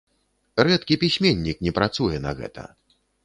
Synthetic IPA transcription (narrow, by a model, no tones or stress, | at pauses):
rɛt̪kʲipʲisʲmʲenʲːiknʲɛpɾat̪sujɛnɐɣɛ̰t̪ɐ̰